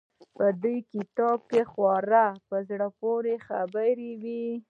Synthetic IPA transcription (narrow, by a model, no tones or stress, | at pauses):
pəd̪ujkɪt̪ɑb̚kexwɑɾapəzɽəpoɾexabəɾewi